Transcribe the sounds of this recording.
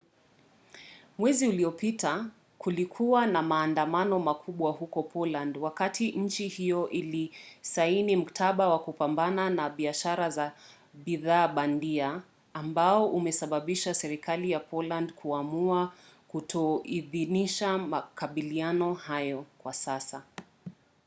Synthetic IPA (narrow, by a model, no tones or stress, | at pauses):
mwɛziuliɔpita | kulikʰuwanamaːndamanɔmakʰuɓwahukɔpʰɔlandwakatʰiʔɲ̩t͡ʃihijɔʔilisainim̩kḁtʰaɓawakupambananaɓiaʃaɾaza | ɓiðaːɓandiaː | mbaɔʔumɛsaɓaɓiʃasɛɾikalijapʰɔlandkʰuamuakutʰɔiðiniʃamakaɓilianɔhajɔkwasasa